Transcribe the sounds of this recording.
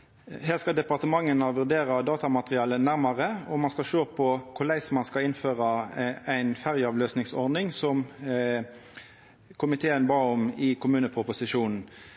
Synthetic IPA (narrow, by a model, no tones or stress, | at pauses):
heːʁskɑd̪ɛpɑʁt̪əmɑŋːənɑʋʉʁd̪eːɾɑd̪ɑːt̪ɑmɑt̪ʁɪɑːlənæʁmɑʁəɔmɑnskɑʃøːpʰɔkʰʊlæɪsmɑnskɑɪnføːʁɑæɪnfæʁjəɑːʋløːsnɪŋsɔʁdnɪŋsɔm | kʰʊmɪt̪ʰeːənbɑːɔmɪkʰʊmʉːnəpʰʁʊpʊsɪʃuːnn̩